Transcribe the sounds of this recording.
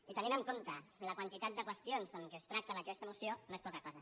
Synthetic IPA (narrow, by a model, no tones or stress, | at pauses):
it̪əninəŋkont̪ələkwant̪it̪at̪̚d̪əkwəst̪ionzəŋkest̪ɾak̚t̪əðəkɛst̪əemusionoespɔkakɔzə